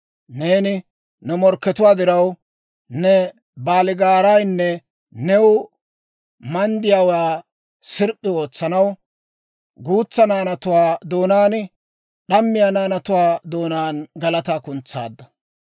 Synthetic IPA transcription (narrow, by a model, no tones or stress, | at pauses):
neːnɪ | nɛmɔɾkːɛt̪ʊwaːd̪ɪɾɐw | nɛ | baːlɪɡaːɾɐjnːɛ | nɛwʊ | mɐnd̪ɪjaːwaː | sɪɾpʼːɪo̞ːt͡sːɐnɐw | ɡuːt͡sːɐnaːnɐt̪ʊwaːd̪o̞ːnaːn | ɗɐmːɪjaːnaːnɐt̪ʊwaːd̪o̞ːnaːnɡɐlɐt̪aːkʊnt͡sːa̰ːd̪ːɐ